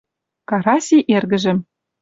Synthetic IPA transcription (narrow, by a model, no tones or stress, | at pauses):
kɑɾɑsʲiʔerɣɘ̆ʒɘ̆m